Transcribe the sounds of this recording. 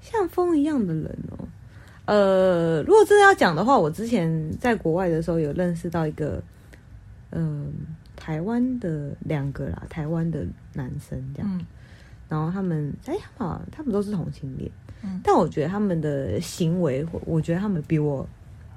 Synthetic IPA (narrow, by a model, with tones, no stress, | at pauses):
ɕjɑ˥˩ŋfɤ˥ŋi˧˥jɑ˥˩ŋd̪ə˩ɻə̰˧˥nə̰˨˩ | ə˧ɻu˧˥ɡwɔ˨˩ʈ͡ʂ̩˥˩˥jɑ˥˩ʊt͡ɕjɑ˨˩ŋd̪ə˦xwa˥˩wɔ˨˩ʈ͡ʂɻ̩˥t͡ɕʰjɛ˧˥nt͡sa˥˩ɪkwɔ˧˥wa˥˩ɪd̪ə˩ʂɻ̩˧˥xo˥˧ʊjo˨˩ʊlə˥˧nʂ̬ɻ̩˥˧t̪ɑ˥˩ʊi˧˥ɡə̰˧ | ʔə˧t̪ʰa˧˥ɪwa˥nd̪ə˨ljɑ˨˩ŋɡə˧˥lɐ̰˨t̪ʰa˧˥ɪwa˥nd̪ə˨ | na˧˥nʂə˥ntə˧˥jɑ̰˥˩ŋ˩ | ɻa˧˥nxo˥˩ʊt̪ʰa˥mə˨nt͡sa˥jɑ˥˩ŋma̰˨˩t̪ʰa˥mə˨nt̪o˥ʊʂ̩˥˩t̪ʰʊ̰˧˥ŋɕi˧˥ŋpj̰ḭ˨˩˦t̪a˥˩nwɔ˨˩t͡ɕɥɛ˧˥d̪ə˧t̪ʰa˥mə˨nd̪ə˩ɕi˧˥ŋwe˧˥ɪxwwʔɔ˨˩t͡ɕɥɛ˧˥d̪ə˧t̪ʰa˥mə˨npi˧˥wɔ˨˩